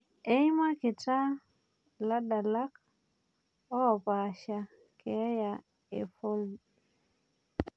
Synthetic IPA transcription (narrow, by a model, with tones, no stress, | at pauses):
ʔe˦jma˦ke˨ta˦ | la˦da˨la˦k̚ | ɔ˦˨pa˨ʃa˨ | ke˨˦ja˨ | ḛ˨fo˦l